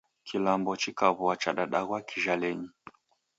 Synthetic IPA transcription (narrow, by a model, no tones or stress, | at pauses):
kʰilambɔt͡ʃikaβuat͡ʃaɗaɗaɣwakʰiʒalɛɲi